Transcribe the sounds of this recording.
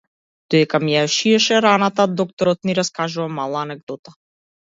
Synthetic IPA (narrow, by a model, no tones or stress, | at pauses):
d̪̥ɔd̪ɛkamijaʃiɛʃɛɾanat̪ad̪ɔk̚t̪ɔɾɔt̪̚niɾaskaʒuvamalˠaːnɛɡ̚d̪ɔt̪a